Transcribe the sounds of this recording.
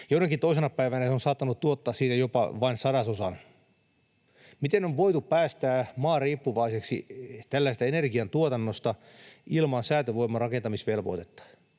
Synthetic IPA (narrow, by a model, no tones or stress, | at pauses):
joinɑkːint̪oisenɑpæiʋænæseonsɑːt̪ːɑnut̪tuot̪ːɑːsiːt̪æjopɑ̰ʋɑinsɑdɑsosɑn | mit̪enoʋʋoit̪uppæːst̪æːmɑːriːpːuʋɑiseksḭt̪ælːæst̪æenerɡiɑnt̪uot̪ɑnːost̪ɑ | ilmɑnsæːt̪øʋoimːɑrɑkent̪ɑmisʋelʋo̰t̪et̪ːɑ̥